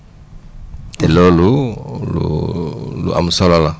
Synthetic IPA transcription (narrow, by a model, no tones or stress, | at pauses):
t̪ɛlolulṵ | lṵʔa̰musɔlala